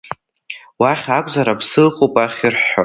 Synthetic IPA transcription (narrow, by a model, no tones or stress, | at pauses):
waχʲakʷʼzaɾabsɨlχʼopʼaχʲirħa